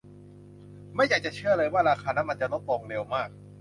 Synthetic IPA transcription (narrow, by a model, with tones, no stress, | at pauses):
ma˥˩jaː˨˩k̚t͡ɕa˨˩t͡ɕʰɯ˥˩ɐlɤː˧jwaː˥˩ɾaː˧kʰaː˧na˦˥ma˧nt͡ɕa˨no˦˥t̪̚lo˧ŋle˧wmaː˥˩k̚